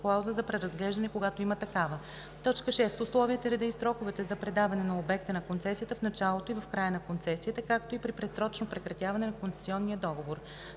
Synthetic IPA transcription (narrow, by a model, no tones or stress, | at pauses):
klˠawzəzɐpɾɛɾɐzɡlɛʒd̪ɐnɛkoɡat̪oimət̪ɐkavə | t̪ɔt͡ʃkəʃɛst̪ʊslˠɔviət̪əɾɛd̪əisɾɔkovɛt̪ɛzɐpɾɛd̪avɐnɛnɐobɛk̚t̪ənɐkont̪sɛsijət̪əfnɐt͡ʃalˠot̪oivɐfkɾajənɐkont̪sɛsiət̪əkak̚t̪oipɾipɾɛsɾɔt͡ʃnopɾɛkɾɐt̪ʲjavɐnɛnɐkonsɛ̥siɔnːijəd̪ɔɡovoɾ